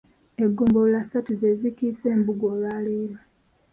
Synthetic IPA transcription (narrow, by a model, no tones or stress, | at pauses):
e̞ɡːuːmboulasatuzezikiseːmbuɡoːβaːliːβa